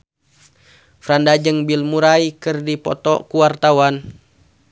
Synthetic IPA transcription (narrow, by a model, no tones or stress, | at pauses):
fɾandad͡ʒəŋbilmuɾaikɨrdipɔt̪ɔ̰kuwart̪awan